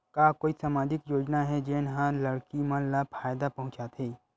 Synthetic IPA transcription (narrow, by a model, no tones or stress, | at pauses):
kaːkoːisaːmãːd͡ʒɪkjoːd͡ʒnaɦɛd͡ʒeːnɦãlɐɽkimãnlapʰaːjd̪apɐɦʊ̃t͡ʃat̪ʰɦeː